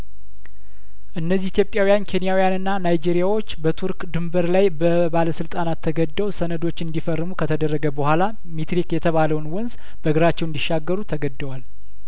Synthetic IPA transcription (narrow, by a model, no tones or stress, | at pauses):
ʔɨnːəzːihit̪ʰjopʼjawijankʰe̞nijawijanɨnːanajd͡ʒeɾijawot͡ʃːbət̪ʰuɾkd̪ɨmbəɾlajbə | baləsɨlt̪ʼanat̪ʰːəɡəd̪ːəwsənəd̪o̞t͡ʃːɨnd̪ifərːɨmukʰət̪ʰəd̪ərːəɡəbəhʷala | mit̪ɾikjɛt̪ʰəβaləwnwʊnz | b̥əɡɨɾat͡ʃːɛwnd̪iʃːaɡːəɾut̪ʰəɡəd̪ːəwal